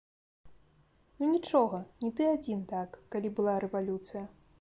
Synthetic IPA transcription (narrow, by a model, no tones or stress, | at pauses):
unʲit͡ʂɔɣɐnʲit̪ɨad͡zʲint̪akːalʲibɨlˠaɾɛvalʲut̪sɨjɐ